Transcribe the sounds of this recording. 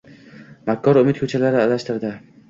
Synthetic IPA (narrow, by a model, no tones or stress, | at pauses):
makʲʰːɒɾʊmɪt̪̚kʰɵt͡ʃʰalaɾɪalaʃt̪ɪɾd̪ɪ